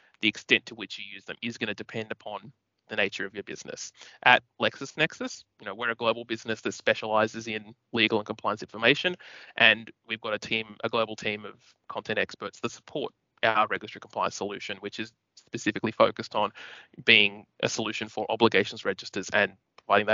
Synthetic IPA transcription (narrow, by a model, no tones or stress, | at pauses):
ðiɨkstɛ̃ntʰəwɨt͡ʃjɨjʉzðɨ̰̃mɪzɡʌñɨdɨpʰɛ̃ndɨpʰɑ̃n | ðɨneɪt͡ʃə˞ʌvjə˞bɪ̰z̥nɨ̰sʔɨt̚lɛksɨsnɛksɨsjɨnoʊwə˞ɨɡloʊbl̩ˠbɪznɨsðɨtspɛʃəlaɪzɨzɪ̃n | liɡl̩ˠə̃nkʰmpʰl̥ãɪə̃nsɪ̃nfə˞meɪʃɨ̃nʔɨ̃nwivɡɑɾɨtʰĩmʔɨ̰ɡloʊbl̩ˠtʰĩmʌv̥ | kʰɑ̃ntʰɛ̃ntɛkspə˞tsðətsə̥pʰɔɹɾ | ʔaʊə˞ɹɛɡjɨstɹ̥ikʰmpʰl̥ãɪɨ̃ntsəlʉʃɨ̃nwɨt͡ʃɨz̥ | spɨsɪfɨklifoʊkɨstn̩b̥iɪ̃ŋʔɨ̰səlʉʃɨ̃nfə˞ʔɑ̰bləɡeɪʃn̩zɹɛd͡ʒɨstə˞zɨ̃n | pʰɹ̥əvaɪɾɪ̃ŋðɨ